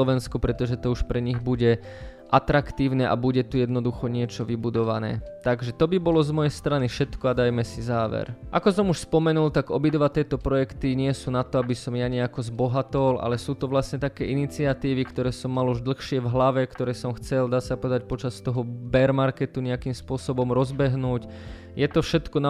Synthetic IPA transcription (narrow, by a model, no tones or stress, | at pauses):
ɔʋɛnskupɾɛt̪ɔʒɛt̪ɔuʃpɾɛɲiɣbuɟɛ | ʔat̪ɾakt̪iːʊnɛʔa̰buɟɛt̪ujɛd̪nɔd̪uxɔɲɪɛt͡ʃɔʋibud̪ɔʋanɛ̰ːt̪aɡʒɛt̪ɔbibɔlɔzmɔjɛjst̪ɾanifʃɛt̪kɔad̪ajmɛsizaːʋɛ̰ɾʔakɔsɔmuʃspɔmɛnult̪aɡɔbid̪ʋat̪ɪɛːt̪ɔpɾɔjɛkt̪iɲɪɛsuːnat̪ɔabisɔmjaɲɛakɔzbɔɦat̪ɔlʔa̰lɛsuːt̪ɔʋlasɲɛt̪akɛːʔinit͡siat̪iːʋikt̪ɔɾɛːsɔmːaluʒd̪l̩xʃɪɛvɦlaʋɛkt̪ɔɾɛːsɔmxt͡sɛld̪aːsapɔʋɛd̪ac̚pɔt͡ʃast̪ɔɦɔbɛɾmaɾkɛt̪uɲɛakimspʊɔsɔbɔmɾɔzbɛɦnuːɟ | jɛt̪ɔfʃɛt̪kɔna